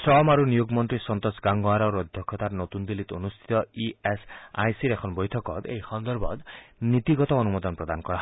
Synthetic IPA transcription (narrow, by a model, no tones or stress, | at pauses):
stɾɔmaɾunijuɡmɔnt̪ɾisɔnt̪ɔsɡaŋɡɔaɾɔɾɔd̪ʱjɔkʰːɔt̪aɾnot̪und̪ilit̪onust̪ʰi̥t̪ɔiesa̰jsiɾekʰɔnbɔjt̪ʰɔkɔt̪ḛjxɔnd̪ɔɾbʱɔ̰t̪nit̪iɡɔt̪ɔːnumɔd̪ɔnpɾɔd̪anɔkɔɾaɦ